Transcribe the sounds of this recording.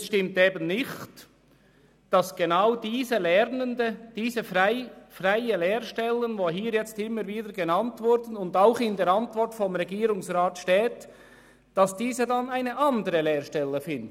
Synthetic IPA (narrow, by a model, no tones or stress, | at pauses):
sʃtɪmteːbənnɪçt | d̥ɑsɡ̥enaʊdiːzəlɛɾnəndəd̥iːzəfɪfraɪəleːɾʃtɛlːənvoːɦiːɾjɛt͡stɪmːəɾviːdəɾɡenɑntvʊɾdən̩ʊndaʊxɪndeːɾɑntvɔɾtfɔmɾɛɡiːɾʊŋsraːtʃteːt | d̥ɑsd̥iːzədɑnaɪnəʔɑndəɾəleːɾʃtɛləfɪnd